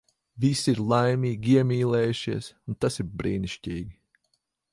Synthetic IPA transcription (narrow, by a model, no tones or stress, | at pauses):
visiɾlˠajmʲiːɡʲiɛmʲiːlˠɛːjuʃiɛsunt̪asiɾbɾḭːniʃciːɡʲi